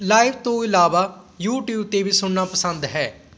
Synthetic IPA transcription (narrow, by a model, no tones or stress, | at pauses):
laːɪʋt̪õːɪlaːʋaː | juːʈjuːbt̪eːʋiːsʊɳnaːpəsənd̪ɦɛː